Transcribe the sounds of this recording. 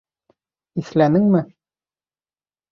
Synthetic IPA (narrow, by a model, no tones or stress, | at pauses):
islænɘŋmɘ